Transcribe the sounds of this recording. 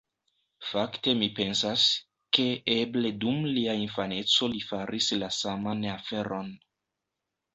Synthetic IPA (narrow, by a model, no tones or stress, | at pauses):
fakte̞mipe̞nsas | ke̞eble̞dumliainfane̞t͡so̞lifaɾʔislasamanafe̞ɾʔo̞n